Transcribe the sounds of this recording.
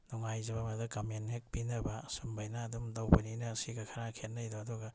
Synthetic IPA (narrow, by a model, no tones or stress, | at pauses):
nuŋajzɐβamadɐkamenhek̚pinɐbasumbajnaːdumdawbɐninɐsiɡɐkʰɐɾakʰetnːɐjdoɐduɡa